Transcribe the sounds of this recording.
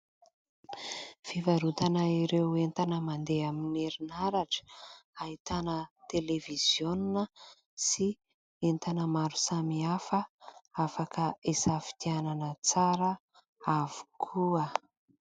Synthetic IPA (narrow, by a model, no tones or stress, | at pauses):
fivaɾut̪anəiɾewent̪anəmand̪eamineɾinaɾaʈ͡ʂə̥aɦit̪anət̪eleviz̥joninə | si | ent̪anəmaɾu̥samiafəafakʰəesafi̥t̪iananət͡saɾə | avu̥kʰuə